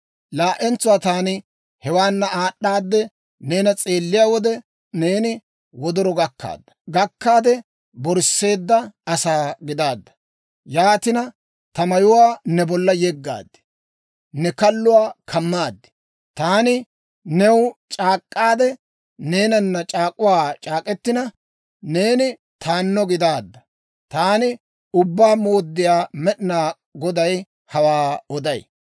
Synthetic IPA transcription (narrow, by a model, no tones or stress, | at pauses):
laːʔɛnt͡sːʊwaːt̪aːnɪ | hɛwaːnːɐaːɗːaːd̪ːɛ | ne̞ːnɐt͡sʼe̞ːlːɪjaːwɔd̪ɛ | ne̞ːnɪ | wɔd̪ɔɾɔɡɐkːa̰ːd̪ːɐ̥ɡɐkːaːd̪ɛ | bɔɾsːe̞ːd̪ːɐɐsaːɡɪd̪aːd̪ːɐ̥ | jaːt̪ɪnɐ | t̪ɐmɐjʊwaːnɛbɔlːɐjɛɡːa̰ːd̪ːɪ̥ | nɛkɐlːʊwaːkʰɐmːaːd̪ːɪ̥ | t̪aːnɪ | nɛwt͡ʃʼaːkʼːaːd̪ɛ | ne̞ːnɐnːɐt͡ʃʼaːkʼːʊwaːt͡ʃʼaːkʼɛt̪ːɪnɐ | ne̞ːnɪ | t̪ʰaːnːɔɡɪd̪aːd̪ːɐ | t̪aːnɪ | ʊbːaːmo̞ːd̪ːɪjaːmɛɗɪnaː | ɡɔd̪ɐj | hɐwaːɔd̪ɐj